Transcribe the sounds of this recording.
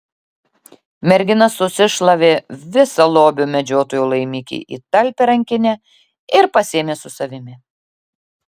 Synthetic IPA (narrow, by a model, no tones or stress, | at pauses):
mʲɛɾʲɡʲɪnɐsːʊsʲɪʃlˠɐʋʲeːʋʲɪsɐlˠoːbʲʊmʲɛd͡ʒʲoːt̪oːjuːlˠɐɪmʲiːkʲḭːʔḭːt̪ɐlʲpʲeɾɐŋʲkʲɪnʲɛ | ɪɾpɐsʲeːmʲeːsʊsɐʋʲɪmʲɪ